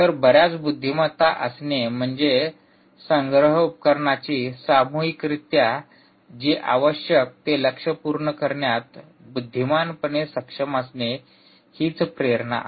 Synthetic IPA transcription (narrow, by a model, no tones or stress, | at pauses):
t̪əɾbəɾjat͡sbud̪ʱːimat̪aʔəsnem̤əɳd͡ze | səŋɡɾəɦupə̥kəɾɳat͡ɕiːsamuɦikɾit̪ja | d͡ʑiʔaʋəɕjək̚t̪eləkʂəpuɾɳəkəɾɳjat̪ | bud̪ʱːimanpəɳesəkʂəməsne | hiːt͡spɾeɾna̰